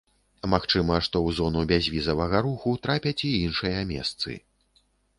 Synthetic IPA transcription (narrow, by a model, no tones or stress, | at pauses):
maxt͡ʂɨmɐʂt̪ɔwzɔnubʲazʲvʲizɐvɐɣɐɾuxut̪ɾapʲɐt͡sʲiinʂɨjɐmʲɛ̰st̪sɨ̰